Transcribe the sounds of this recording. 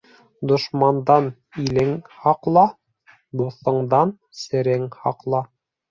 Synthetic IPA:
d̪ŏʃmɑnd̪ɑn | ilɘŋhɑqlˠɑ | b̪uθɤ̆ɴd̪ɑn | sɘ̆ɾɘŋhɑ̰qlˠɑ

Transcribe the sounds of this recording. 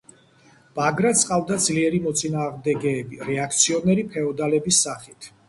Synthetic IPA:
b̥aɡɾat̪sʼqʼavd̪ad̪zliɛɾimɔt̪sʼinaːʁmd̪ɛɡɛːbiɾɛakʰt̪sʰiɔnɛɾipʰɛɔd̪alɛbisːaχit̪ʰ

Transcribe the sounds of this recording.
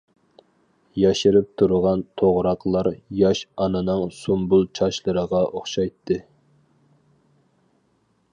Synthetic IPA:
jɑʃiɾɪp̚t̪ʰuɾʁɑnt̪ʰoʁɾɑqlˠɑɾjɑʃɑnɨnɨŋsumbulˠt͡ʃʰɑʃlˠɨɾəʁɑʔoχʃɑjt̪ʰːɨ

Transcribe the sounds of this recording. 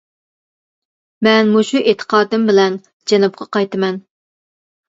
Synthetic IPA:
mɛnmuʃuʔet̪ʰə̥qʰɑːd̪ɨmbɪlɛn | d͡ʒɛnɨp̚qʰɑqɑjt̪ɨmɛn

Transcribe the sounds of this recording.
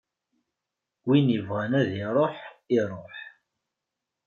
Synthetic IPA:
winivʁænæðiɾˤoħiɾˤoħ

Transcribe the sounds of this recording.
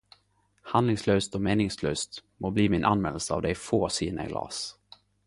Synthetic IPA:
hand̪lɪŋsløːst̪ɔmeːnɪŋsløːst̪moːbliːmɪnʔanmɛnːəsəɑ̰vd̪ɛjfoːsiːnə̰ɡlɑ̰ːs

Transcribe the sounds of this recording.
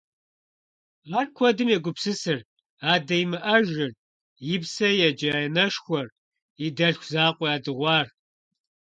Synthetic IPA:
aːrkʷʰɔdɨmjɛɡʷʊpsɨsɨr | aːdɐjmɨʔɐʒɪr | jɪpsɐjɛd͡ʒɐjɛnɐʂxʷɔr | idɐɬxʷzaːqʷɔjaːdɨʁʷɑːr

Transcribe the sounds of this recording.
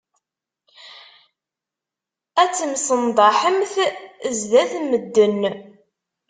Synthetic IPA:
æt͡sːəmsənd̪ˤɑħəmθzðæθməd̪ːən

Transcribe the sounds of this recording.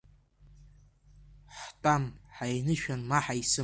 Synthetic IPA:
ħtʼamħajnɨʃᶣanmaħajsɨ

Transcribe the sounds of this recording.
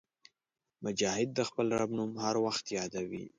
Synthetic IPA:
mʊd͡ʒɑhɪd̪̚ːəxpəlɾa̰bnumhaɾwaxt̪jɑd̪awḭ

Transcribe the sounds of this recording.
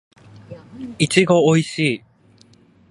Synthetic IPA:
it͡ɕiɡo̞oiɕiː

